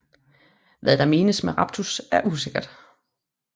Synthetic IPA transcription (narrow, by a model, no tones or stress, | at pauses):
ʋæðˠd̥ɑ̈me̝ːnəsmeʁɑ̈b̥̚t͡sʰusæɐʔus̬e̝ɡ̥ɐd̥